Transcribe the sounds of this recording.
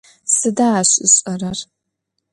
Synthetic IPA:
sɨdaaɕʼɪɕʼɐrɐr

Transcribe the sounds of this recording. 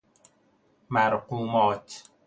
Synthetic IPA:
mæɾquːmɒːt̪

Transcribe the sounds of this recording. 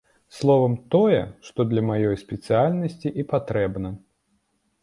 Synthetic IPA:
slˠɔvɐmt̪ɔjɛ̰ʂt̪ɔd̪lʲɐmajɔjsʲpʲɛt̪sɨjalʲnɐsʲt͡sʲiʔipat̪ɾɛbnɐ

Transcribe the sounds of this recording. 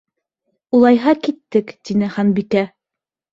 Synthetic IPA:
ulˠɑjɦɑkit̪ːɘkt̪inɘχɑnbikæ

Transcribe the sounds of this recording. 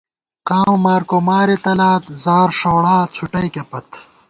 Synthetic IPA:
qaːwmaːɾkomaːɾit̪ɐlaːt̪zaːɾʂoːɽaːt͡sʰuʈɐjkepɐt̪

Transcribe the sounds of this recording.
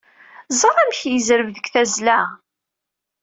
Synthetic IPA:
zˤəɾˤæmçjəzɾəvðəkθæzlæ

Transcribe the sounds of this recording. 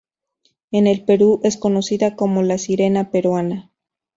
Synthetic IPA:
ene̞lpe̞ɾuʔe̞sko̞nosiðakomolasiɾe̞napeɾwana

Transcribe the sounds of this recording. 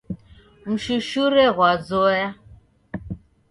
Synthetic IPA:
m̩ʃuʃuɾɛɣwad͡zɔja

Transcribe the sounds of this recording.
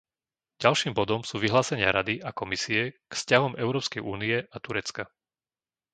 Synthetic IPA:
ɟalʃiːmbɔd̪ɔmsuːʋiɦlaːsɛɲɪa̰ɾad̪iakɔmisiɛkfscaɦɔmʔɛʊɾɔːpskɛjʔuːniɛʔat̪uɾɛt͡ska

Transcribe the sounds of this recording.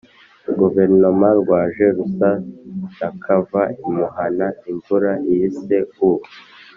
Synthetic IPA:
ɡuveɾnomãɾɡwaːʒeɾusaakʰavaimuhanaiɱvuɾajiseu

